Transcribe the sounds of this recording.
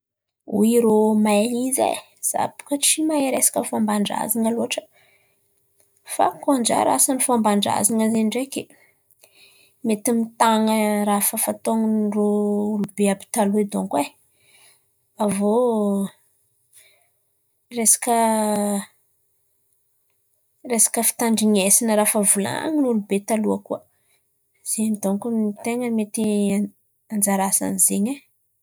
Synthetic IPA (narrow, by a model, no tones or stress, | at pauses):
ṵiɾomalizḛ | z̥a̰bu̥kət͡simajɾesḁkʲəfambaɳɖ͡ʐa̰zaŋəloɦaʈ͡ʂə̥ | fa̰kond͡ʒa̰ɾa̰sanifambaɳɖ͡ʐa̰zaŋəzenɳɖ͡ʐekʲe | met̪imit̪aŋəɾafəfat̪oŋunrolubeapi̥t̪alued̪oŋkwe | avo | resḁkə | resḁkəfi̥t̪aɳɖ͡ʐiɲesinəɾafəvula̰a̰ŋinulubet̪aluəkuə | z̥emid̪oŋkut̪eŋəmet̪i | and͡zaɾasa̰nzeɲa